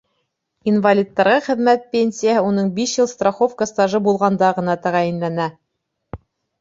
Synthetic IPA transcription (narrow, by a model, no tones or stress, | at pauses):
invalʲit̪ːɑɾʁɑχɘ̆ðmæt̪̚pʲenʲsʲijaɦɤunɤɴbiʃjɤlˠst̪raχofkast̪ɑʒɤbulˠʁɑnd̪ɑʁɤ̆nɑt̪æʁæjɘ̆nlænæ